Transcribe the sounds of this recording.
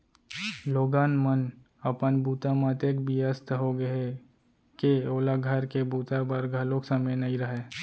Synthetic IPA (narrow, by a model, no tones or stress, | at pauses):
loːɡaːnmən | ɐpənbuːt̪amat̪ekbiəst̪ʰɦoɡɐɦe | keoːlaɡʱəɾkebuːt̪abəɾɡʱɐloksəməjnɐĩɾɐɦeː